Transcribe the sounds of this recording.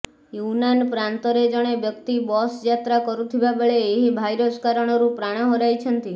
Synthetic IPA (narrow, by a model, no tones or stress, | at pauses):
junanpɾant̪ɔɾed͡ʒəɽ̃ebjəkt̪ibɔsjat̪ɾakəɾũt̪ʰibabəɭeːɦibʱajɾoskaɾəɽ̃ɔɾũpɾaɽ̃ə̃ɦoɾajt͡ʃʰənt̪i